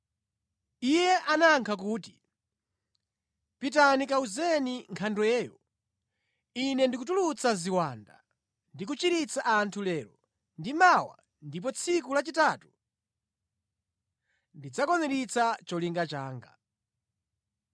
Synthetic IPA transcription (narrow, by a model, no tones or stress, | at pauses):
ijɛʔanaŋkʰak̬uːti̥ | pitanikauzɛniŋkʰandwɛːjɔ | inɛndikutulut͡saziwanda̰ | ndik̬ut͡ʃiɾit͡saʔantʰulɛːɾɔ | ndimawa̰ | ndip̬ɔt͡sʰikulat͡ʃitaːtu̥ | ndid͡zakɔnɛɾit͡sʰat͡ʃɔliŋɡat͡ʃaːŋɡa̰